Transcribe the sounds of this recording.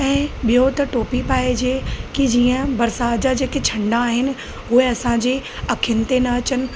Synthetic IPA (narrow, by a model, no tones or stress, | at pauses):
ɛ̃ːɓijot̪ɐʈoːpipaːed͡ʑeːkid͡ʑiːə̃bɐɾsaːd͡ʑad͡ʑeːket͡ɕʰɐ̃ɳɖaːɦɪnɪ̆ | ɦʊɦeɐsãd͡ʑeɐkʰɪnɪ̆t̪enɐɐt͡ɕənɪ̆